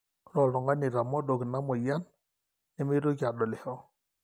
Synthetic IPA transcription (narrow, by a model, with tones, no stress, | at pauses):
ɾɔ˨lɔ˨ŋa˦nɪ˨ɾa˨mɔ˦ɗo˨ɡi˨na˦mɔ˨ja˦n | nɪ˦mi˦ɾo˦ɡa˨ɗɔ˨lɛ˨hɔ˦